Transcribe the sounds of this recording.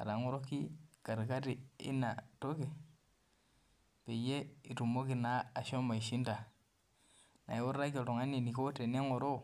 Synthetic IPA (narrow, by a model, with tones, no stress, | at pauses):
a̰˨ɾa˨ŋo˦ɾo˦ki˦ka˨ɾi˨ka˦ɾi˨ḭ˦na˨to˦ke˨ | pe˨je˦i˨ɾu˨mo˦ki˨naː˨˦˨ʃo˦ma˨i˨ʃi˦nda˨ | na̰˨i˦wo˦ɾa˦ke˨ɾo˨ŋa˦ni˨ni˨ko˦te˨ne˦ŋo˨ɾo˦